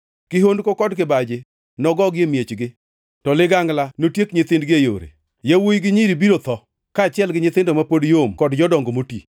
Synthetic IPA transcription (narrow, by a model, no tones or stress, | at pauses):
kɪɦondkokɔdkɪbad͡ʒe | nɔɡɔɡɪemjet͡ʃɡɪ | tɔlɪɡaŋlanotjekɲɪt̪ɪndɡɪejo̰ɾḛ | jawojɡɪɲiɾibiɾot̪ɔ | kaːt͡ʃɪɛlɡɪɲɪt̪ɪndomapodjomkɔdd͡ʒɔdɔŋɡomoti